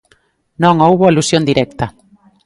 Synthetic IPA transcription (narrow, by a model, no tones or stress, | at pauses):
nõŋowβoalusjond̪iɾɛk̚t̪ɐ